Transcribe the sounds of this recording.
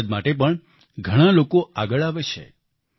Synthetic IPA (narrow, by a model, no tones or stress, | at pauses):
d̪maʈep̬əɳ | ɡʱəɽ̃ãlokoaɡəɭaʋet͡ʃʰḛ